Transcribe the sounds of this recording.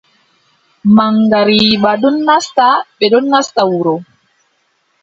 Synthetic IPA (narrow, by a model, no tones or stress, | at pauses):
maŋɡaɾibaɗɔnːastaɓɛɗɔnːastawuɾɔ